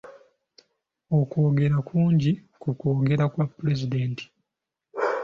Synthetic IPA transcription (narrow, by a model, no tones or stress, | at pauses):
oko̞ːɡe̞ɾakuːɲɟikuko̞ːɡe̞ɾakwapːuɾe̞zideːnti̥